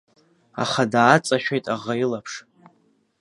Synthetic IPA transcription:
a̰χadaːt͡sʼaʃᶣejtʼaʁailapʰʂ

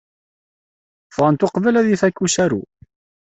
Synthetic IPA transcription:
fʁɑnt̪ʊqvælæðifækːusæɾṵ

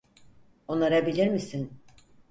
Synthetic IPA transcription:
onːaɾabilʲiɾmisin

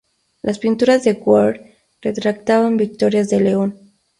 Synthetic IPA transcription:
lʔaspint̪uɾazðe̞ɣwoɾɾ | ret̪ɾak̚t̪aβambik̚t̪o̞ɾjazðe̞leo̞n

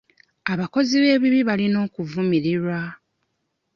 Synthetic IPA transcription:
aβako̞ziβe̞ːβiβiβalino̞ːkuvumiɾiɾwa

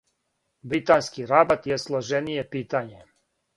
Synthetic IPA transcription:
bɾit̪aːnskiɾabat̪jeslˠoʒenije̞piːt̪aɲe̞

